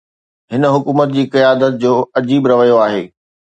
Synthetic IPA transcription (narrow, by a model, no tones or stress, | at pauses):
ɦɪnəɦʊkuːmət̪̚d͡ʑiːkɐjaːd̪ət̪̚d͡ʑoːɐd͡ʑiːbɾɐʋəjoaːɦḛː